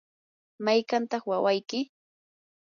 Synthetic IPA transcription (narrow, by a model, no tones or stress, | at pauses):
majkant̪ɑχwawajkɪ